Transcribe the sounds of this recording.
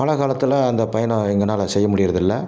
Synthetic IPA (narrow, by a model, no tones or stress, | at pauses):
ɐlɐɣaːlɐt̪ːɪlɐɐnd̪ɐpɐjɐnɛŋɡɐnaːlɐsɛjːɐmʊɽɪjɪɾɐðɪlːɐ